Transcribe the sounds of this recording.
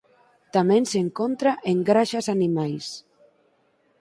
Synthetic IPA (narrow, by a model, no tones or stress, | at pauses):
t̪amẽnseŋkont̪ɾaʔeŋɡɾaʃasanimajs